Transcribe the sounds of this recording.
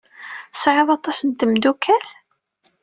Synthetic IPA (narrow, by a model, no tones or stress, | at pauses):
sʕeðˤɑt̪ˤɑsənt̪əmd̪ukʰæl